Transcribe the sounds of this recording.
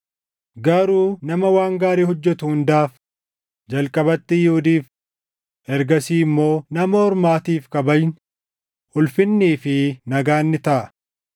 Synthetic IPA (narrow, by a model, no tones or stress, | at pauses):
ɡɐɾuːnɐmɐwaːŋɡaːɾiːɦɔd͡ʒːɛt̪ʊhʊnd̪aːf | d͡ʒɐlkʼɐbɐt̪ːɪjuʊd̪iːf | ɛɾɡɐsiːmːo̞ːnɐmɐɔɾmaːt̪iːfkɐbɐjn | ʊlfɪnːiːfɪnɐɡaːnːɪt̪ɐʔɐ